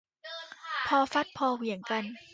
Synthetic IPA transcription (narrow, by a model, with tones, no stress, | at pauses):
pʰɔː˧fa˦˥t̪̚pʰɔː˧wi˨˩˦əŋka˧n